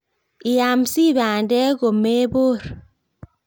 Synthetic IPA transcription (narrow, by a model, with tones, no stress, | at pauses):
i˨ja˨msi˦˨βa˨ndɛ˦ɣo˨me˦bo˦˨ɾ